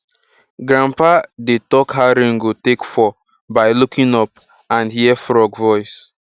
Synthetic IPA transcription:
ɡɹãmpadetɔkhaʊɾẽŋɡotekfɔ | baɪlukĩnɔp | ãnhiɛfɹɔɡvɔɪs

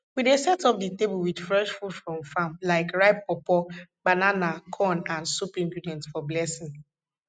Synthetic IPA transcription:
widesɛtɔp̚ditebulwid̥fɹɛʃfulfɹɔ̃mfãmlaɪkɹaɪpːɔpɔbananakʰɔnãnsupĩŋkɾudɛ̃ntfɔblɛsĩŋ

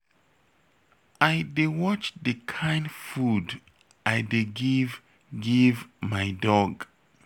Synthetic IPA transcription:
ajdewɔt͡ʃðɨkʰãjndfud | ajdeɡiv | ɡivmajdɔɡ

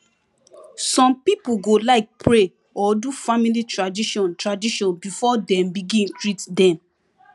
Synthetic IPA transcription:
sɔ̃mpipuɡolaɪk̚pɹe | ɔdufamilitɹadiʃɔ̃ntɹadiʃɔ̃nbifɔdɛ̃mbiɡĩntɹitdɛ̃m

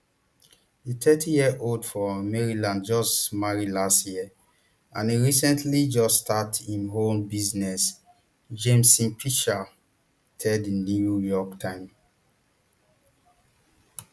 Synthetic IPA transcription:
ditʰɛtʰijiəʔoldfɔmɛɹilãndd͡ʒɔsmaɹilastjiə | ãniɹisɛ̃ntʰlid͡ʒɔsːtʰatʰĩnɦõmbiznɛs | d͡ʒẽmsĩnpʰiʃa | tʰɛdnuujɔktʰãɪ̃m

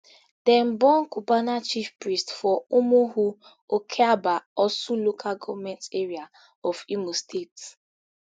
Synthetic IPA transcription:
d̥ɛ̃mbɔnkubanat͡ʃifpɹistfɔumuhu | okʰeabaɔsulokʰaɡɔvmɛ̃nteɹia | ɔfimostʰet

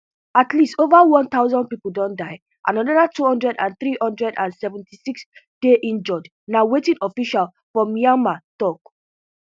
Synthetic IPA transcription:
atʰlistovawɔ̃nt̪aʊzɔ̃n̚pipul̩dɔ̃ndaɪ | ʔa̰nɔnɔdatʰuhɔ̃ndɹɛdã̰nθɹihɔ̃ndɹɛdãnsɛvɛ̃ntʰisiks | d̥eʔĩnd͡ʒɔd͡ʒ | nawetĩnɔfiʃal | fɹɔmiãmatɔk

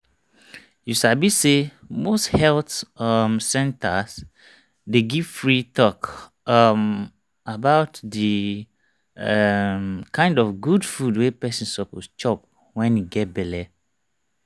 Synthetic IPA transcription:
jusabisemosthɛltʌmsɛ̃ntas | deɡiv̥fɹitʰɔk | m | abaʊtdi | mkʰãɪ̃ndɔfɡudfudwepɛsĩnsɔpost͡ʃɔp̚ | wɛ̃njuɡɛt̚bɛlɛ

